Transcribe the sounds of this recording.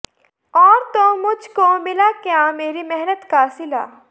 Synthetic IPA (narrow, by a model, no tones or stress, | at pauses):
ɔːɾt̪omʊd͡ʒʱkomɪlakjameːɾimɛɦnət̪kasɪla̰ː